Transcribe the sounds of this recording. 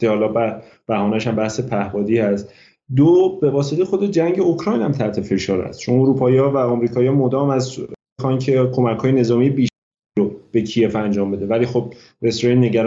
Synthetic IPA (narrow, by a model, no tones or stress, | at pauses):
ehɒlɒbæ | b̥æhɒːnæʃæmbæhse̞pʰæhbɒːd̪iːhæst̪ | d̪obe̞vɒːse̞t̪ʰejexo̞d̪e̞d͡ʒæŋɟe̞okʰɾɒːjnæmt̪ʰæht̪ʰe̞fe̞ʃɒːɾhæ̰st̪̚t͡ʃʰonoɾupʰɒːjɒːvæɒmɾiːkʰɒːjɒmod̪ɒːmæzbexɒncʰe̞kʰo̞mækhɒːjene̞zɒːmijebiːʃ | ob̥e̞cʰije̞fænd͡ʒɒːmbe̞d̪evæliːxob̥̚ | ɾesɾejenːe̞ɟæɾ